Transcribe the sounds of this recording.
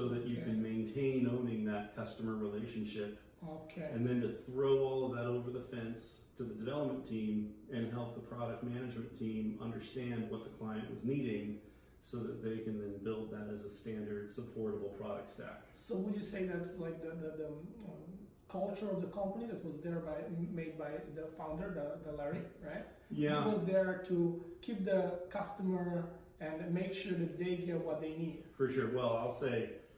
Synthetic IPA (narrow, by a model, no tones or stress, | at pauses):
soʊðɨt͡ʃɨkʰɨ̃nmẽɪ̃ntʰẽɪ̃nõʊ̃nɪ̃ŋðɨt̚kʰʌstəmə˞ɹileɪʃɨ̃n̩ʃɪp | okʰeɨ̃nðɨ̃ntɨθɹoʊɔlˠðəɾoʊvə˞ðəfɛ̃ns | tʰɨðɨdɨvɛlˠəp̚mɨ̃ntʰĩmɨ̃nɦɛlˠp̚ðəpʰɹ̥ɑɾɨk̚t̚mænɨd͡ʒmɨ̃ntʰĩmʌ̰̃ndə˞stæ̃nd̚wʌt̪̚ðəkʰl̥aɪɨ̃nʔwʔʌ̰zniɾɪ̃ŋ | soʊðɨ̰t̪̚ðeɪkɨ̃nðɨ̃nbɪlˠd̪̚ðɨɾɨzəstæ̃ndə˞d̥səpʰɔɹɾəbl̩ˠpʰɹ̥ɑɾɨ̰k̚tstæ̰k | soʊwɨd͡ʒjɨseɪðætlaɪk̚ðəðəðə | kʰʌlˠt͡ʃə˞ʌvðəkʰʌ̃mpəniðɨt̚wʌzðəɹbaɪmeɪd̚baɪðəfãʊ̃ndə˞ðəðəlɛɹiɹaɪt̚ | jjæwʌzðə˞tʰukʰip̚ðəkʰʌstəmə˞ | ɨ̃nmeɪkʃʊɹðɨt̪̚ðeɪɡɛt̚wʌt̪̚ðeɪnid̥fə˞ʃʊɹwɛlˠaɪlˠseɪ